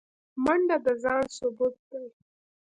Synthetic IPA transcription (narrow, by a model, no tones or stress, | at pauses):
maɳɖad̪əzɑnsʊbut̪̚d̪ai